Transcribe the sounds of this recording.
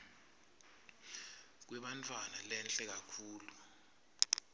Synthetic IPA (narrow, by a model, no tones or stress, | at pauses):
k̬wɛɓantʰʼwanalɛnt͡ɬʼɛk̬akʰuːlu